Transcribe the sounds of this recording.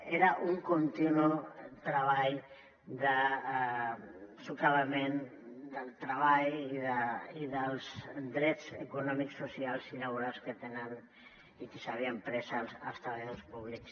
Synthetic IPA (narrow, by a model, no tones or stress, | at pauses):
eɾaʔuŋkunt̪inut̪ɾəβ̞aʎ | d̪ə | sukaβəmend̪əlˠt̪ɾəβ̞aʎiðəiðəlzd̪ɾɛt͡sekunɔmiksːusialˠsinaβ̞uɾalˠskət̪enən | ikesaβ̞iampɾɛsalˠsə̰lˠst̪ɾəβaʎaðospuβliks